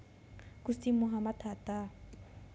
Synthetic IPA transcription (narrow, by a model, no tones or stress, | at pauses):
kusimuɦamatʰatʼa